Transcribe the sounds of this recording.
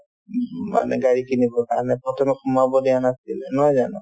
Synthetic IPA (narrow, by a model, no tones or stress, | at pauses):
ma̰nɛ̰ɡaɹikinibɔkaɹnɛpɹɔtʰɔmɛkʰumabɔdianasilɛnɔjzanɔ